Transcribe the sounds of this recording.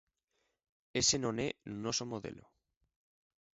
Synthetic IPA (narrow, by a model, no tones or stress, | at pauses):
esenõnenosomoðḛlo